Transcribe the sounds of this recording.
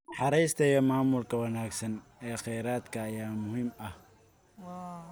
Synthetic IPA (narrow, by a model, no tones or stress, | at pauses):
ħɑɾɛjst̪ʰɛjɐmaːmʊlkʰɐwɐnaːɡsɐnɛːχɛjɾaːd̪kʰɐːjaːmʊhiːmɐh